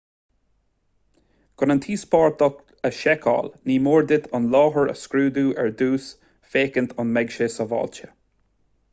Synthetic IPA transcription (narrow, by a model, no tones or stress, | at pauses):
kʰʊnənt̪ʰiːspɑːɹt̪ɔk | əʃɛkʰɑ̰ːlniːmoːɹd̪ɪt̪ʰɑnlɑːɦəɹə̰skɾuːd̪uːʔɛɹd̪uːs | feːkənt̪ʰɑnmɛɡʃesɔvɑ̰ːlt͡ʃə̥